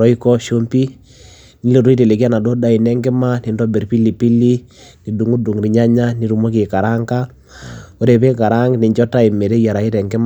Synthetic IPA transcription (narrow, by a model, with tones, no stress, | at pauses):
ɔ˦i˦kɔ˦ʃo˦mpi˦ | ni˦lo˨ɾo˦i˦te˨le˨ki˦a˦na˨do˦da˨i˨nɛ˦ŋɡɛ˦ma˦ni˨ndɔ˦be˨ɾpi˦li˨pi˦li˦ni˨du˨ŋu˦du˨ŋɾi˨ɲa˦ɲa˦ni˦ɾu˨mɔ˦k̬e˨ka˨ɾa˦ŋɡa˦ | o˦ɾe˨pe˦ka˨ɾa˦ŋni˨ɲd͡ʒɔ˦ta˦i˨me˨ɾe˦ja˨ɾa˨i˦tɛ˨ŋɡe˦m